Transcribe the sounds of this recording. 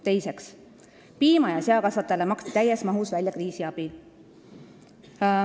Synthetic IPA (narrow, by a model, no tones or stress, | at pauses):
t̪e̞jse̞ks | piːmɑjɑseɑkɑsvɑt̪ːˑelemɑkst̪i̥t̪æjesmɑɦusvælʲjɑkriːsiɑb̥i